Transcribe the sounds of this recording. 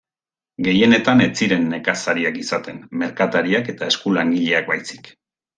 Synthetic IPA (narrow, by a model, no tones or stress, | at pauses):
ɡe̞je̞ne̞t̪ane̞t͡siɾe̞nːe̞kasaɾiakisat̪e̞nme̞ɾkat̪aɾiake̞t̪ae̞skulaŋɡiʎe̞akbajsi̥k